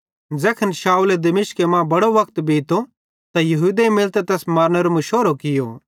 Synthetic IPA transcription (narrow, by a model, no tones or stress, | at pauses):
d͡zɛːkʰɐnʃaːuled̪ɐmɪʃkemãbɐɽoʋɐkt̪biːt̪o | t̪ajɐɦuːd̪eimɪlt̪et̪ɛːsmaːɾnɛɾomɐʃoːɾokɪjo